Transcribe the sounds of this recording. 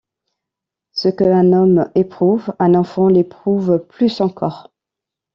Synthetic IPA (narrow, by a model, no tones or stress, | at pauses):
səkəɛ̃nɔmepχuvɛ̃nɑ̃fɑ̃lepχuvplysɑ̃kʰɔːʁ